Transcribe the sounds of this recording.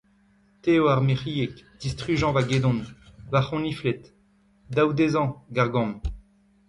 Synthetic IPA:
t̪eoaʁmeʁijekd̪ist̪χyʒɑ̃vaɡed̪ɔ̃nvaχɔ̃niflɛt̪ | d̪awd̪ezɑ̃ɡaʁɡɔ̃m

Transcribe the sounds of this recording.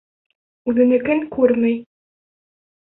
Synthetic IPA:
ʉðɘ̆nɘ̆kɘŋkʉɾmɘj

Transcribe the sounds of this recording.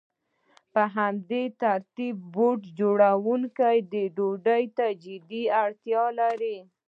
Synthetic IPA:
pəɦamd̪et̪aɾt̪ib̚ːoʈd͡ʒoɽawuŋkajd̪əɖoɖəjt̪ad͡ʒɪd̪iaɽt̪jɑlaɾi

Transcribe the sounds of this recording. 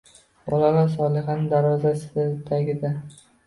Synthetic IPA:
bɒlalaɾsɒlˠɪχanɪd̪aɾvɒzasd̪aɡʲɪd̪a

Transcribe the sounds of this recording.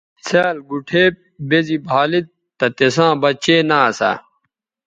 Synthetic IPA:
seːlɡuʈʰeːp̚bezibʱaːlit̪̚ | t̪ːɐt̪esãːbɐt͡ɕeːnaːsa̰

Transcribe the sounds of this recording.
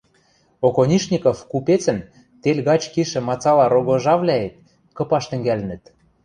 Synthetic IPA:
okonʲiʃnʲikŏfkupet͡sɘ̆n | t̪elʲɣɑt͡ɕkiʃɘ̆mɑt͡sɑlɑɾoɣoʒɑvlʲæet̪̚ | kɤ̆pɑʃt̪ɘ̆ŋɡælɘ̆nɘ̆t̪

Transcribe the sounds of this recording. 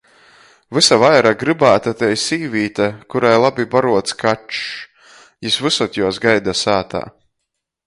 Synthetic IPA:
vɨsavajɾaɡɾɨbaːt̪at̪ɛjsiːvʲiːt̪akuɾajlˠabibaɾuɔt̪skʰat͡ʃ | jusvɨsɔt̪ʲjuɔsɡajd̪asaːt̪a̰ː

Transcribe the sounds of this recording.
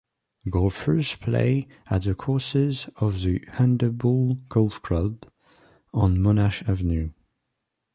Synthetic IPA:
ɡɔfɹəz̥pʰl̥ḛɪ | əʔðəkʰɔˑsɪzəvðəhãndəbɔlˠɡ̥ɔlˠfkʰl̥ʌb | ə̃nmɔnaʃavənjʉ

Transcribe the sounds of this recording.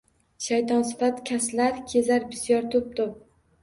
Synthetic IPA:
ʃajt̪ʰɒnsɪ̥fat̪kʲʰaslaɾkʲʰe̞zaɾbɪ̥sjɒɾt̪ʰʊp̚t̪ʰʊp̚

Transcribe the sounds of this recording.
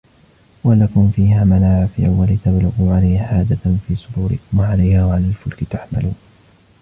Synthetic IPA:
walakʊmfiːhaːmanaːʕafɪʔa̰walɪt̪ablʊɣuːʕalajhaħaːd̪afiːsˤʊd̪uːɾɪ̰kʊmwaʕalajhaːwaʕalaːlfʊlkɪt̪aħma̰luːn

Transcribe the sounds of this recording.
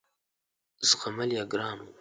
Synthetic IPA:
zʁamaljaɡɾɑːnu

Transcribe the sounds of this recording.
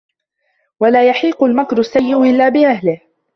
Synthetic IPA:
walaːjaħiːqʊlmakɾʊsːajːɪʔʊʔɪlːaːbɪʔahlɪh

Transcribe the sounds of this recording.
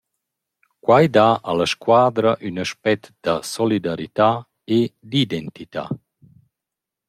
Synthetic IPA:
kwajd̪aʔalaʃkwaːd̪ɾəʔynaʃpɛt̪d̪̥əsɔlid̪aɾit̪a | ed̪id̪ɛnt̪it̪a̰

